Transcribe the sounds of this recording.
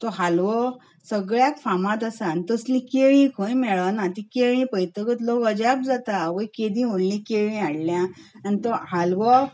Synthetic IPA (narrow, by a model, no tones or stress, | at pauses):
t̪ɔɦalʋɔ | səɡɭjakfamãt̪̬əsãnt̪əslĩkeɭĩkʰojmɛɭaʋnãt̪ikeɭĩpəjt̪əkət̪lɔkəd͡ʑab̚d͡zat̪aʋəjked̪ĩɦonlĩkeɭĩaɽljãanit̪ɔɦalʋɔ